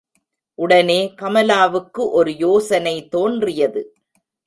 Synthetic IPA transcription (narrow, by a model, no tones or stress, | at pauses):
ʔʊɽɐneːkɐmɐlaːʋɯkːɯʔɔɾɯjoːsɐnɐɪt̪oːndrɪjɐðɯ